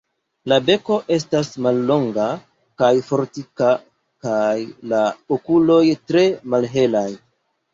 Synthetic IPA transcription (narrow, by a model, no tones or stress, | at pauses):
labe̞ko̞ʔe̞s̬tasmalːo̞ŋɡa | kajfo̞ɾtika | kajlaokulo̞jtɾe̞malɦe̞laj